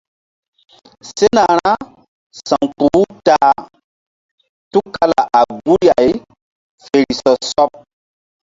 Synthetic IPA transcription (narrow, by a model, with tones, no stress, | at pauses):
se˦na˨ɾa˦ | sã˨ŋk͡pu˨˦taː˨˦ | tu˦ka˦la̰˨ʔa˨ɡu˦ɾja˨j | fe˨ɾi˨sɔ˨sɔ˦p̚